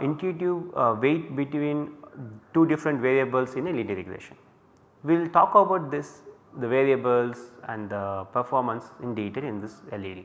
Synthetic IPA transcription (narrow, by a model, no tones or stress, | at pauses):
ɪ̃nʈuʈuʋʋeːʈ̚bɪʈʋĩːnʈuːɖɪfɾə̃ɳʈʋeːɾiəbəlsɪ̃neliːɖiɾḛɡɾḛːʃə̃n | ʋilʈɔːkobaʊʈ̚d̪ɪs | d̪əʋeːɾiəbəlsæ̃ɳɖd̪əpəɾfɔːɾmə̃nsɪ̃nɖeːʈelɪ̃nd̪ɪseliːɖḭ